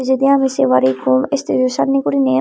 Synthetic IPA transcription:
d͡ʑed̪iamiseʋaɾikʰumest̪ʰid̪ioʃad̪ʱnikoɾine

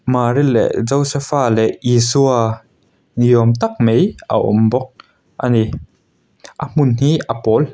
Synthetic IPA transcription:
maːɾilːɛ̰zɔwsɛfaːlɛʔisua | nijuəmt̪ɐk̚mejʔɐ̰ʔɔ̰mbɔk̚ | ʔani | ʔɐm̥unhiʔɐpɔl

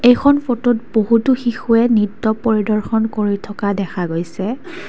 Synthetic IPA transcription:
ejkʰɔnfotutboɦutuxixuɛnitːɔpoɹidɔɹxɔnkoɹitʰɔkadɛkʰaɡojsɛ

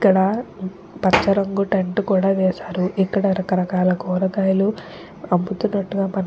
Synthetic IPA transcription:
kːɐɽɐ | pɐt͡ʃːɐɾɐŋɡuʈeɳʈkuːɽaːʋɛːsaːɾuʔikːɐɽɐɾɐkɐɾɐkaːlɐɡɔːɾɐɡaːjɐlu | ɐmput̪unːɐʈːuɡaːmɐn

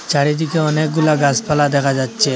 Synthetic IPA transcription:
t͡ɕaɽid̪ikeɔnek̚ɡulaɡaspalad̪ɛkʰad͡ʑatːɕʰe

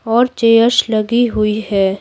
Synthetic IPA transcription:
ɔːɾt͡ʃeːjəɾʃlɐɡiɦʊihɛː

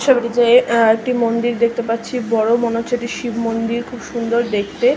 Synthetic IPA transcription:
ʃabeʈid͡ʑeeek̚ʈimond̪iɾd̪ek̚ʰt̪epaːɕʰibɔɽomonot͡ɕʰeʈiʃibmond̪iɾkʰubʃund̪oɾd̪ek̚ʰt̪e

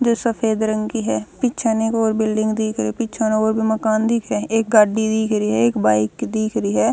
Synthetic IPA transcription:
d͡ʒoːsəpʰeːd̪ɾəŋkiːɦɛːpɪtːt͡ʃʰaːneeːkoːɾbɪlɖɪ̃ŋɡd̪iːkʰɾiːpɪt͡ʃʰãnoːɾbiːməkaːnd̪iːkʰɾɛːeːk̚ɡaːɖiːd̪iːkʰɾiːɦɛːekbaːɪkd̪iːkʰɾiːɦɛː

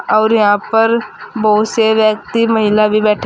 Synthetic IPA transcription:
ɔːɾjɐɦãpəɾboːʊt̪seʋjək̚t̪iməɦɪlabʱibɛːʈʰ

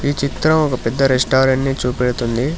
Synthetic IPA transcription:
iːt͡ʃit̪ɾɐmɔkɐpɛd̪ːɐɾesʈaːɾeɳʈnit͡ʃuːpiɽut̪und̪i

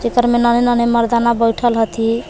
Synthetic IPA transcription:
d͡ʒekəɾmenənenəneməɾd̪anabəjʈʰəlɦət̪ʰi

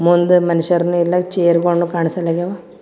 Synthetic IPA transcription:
mund̪umɐniʃɐɾnuilːɐt͡ʃeːɾkoɳɖukaːɳisɐlːaɡeʋa

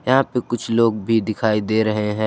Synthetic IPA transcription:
jɐɦãpekʊt͡ʃʰloːɡ̚bʱid̪ɪkʰaːid̪eːɾɐɦeɦɛ̃ː

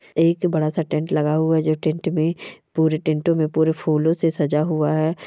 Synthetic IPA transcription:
eːkbɐɽasaʈɛ̃ɳʈlɐɡaɦuaɦd͡ʒoːʈɛ̃ɳʈmẽpuːɾeʈɛ̃ɳʈõmẽpuːɾepʰuːlõsesɐd͡ʒaɦuaɦɛː

